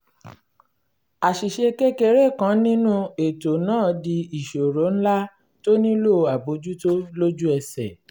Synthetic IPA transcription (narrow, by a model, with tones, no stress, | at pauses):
a˨ʃi˨ʃe˧ke˦ke˧ɾe˦˨kã˨˦nĩ˦nũ˦e˨to˨nãː˦˨di˧i˨ʃo˨ɾo˨˦n̩˦la˦ | to˦nĩ˦lo˦˨a˨bo˨˦d͡ʒu˦to˦lo˦d͡ʒu˦ɛ˧sɛ˨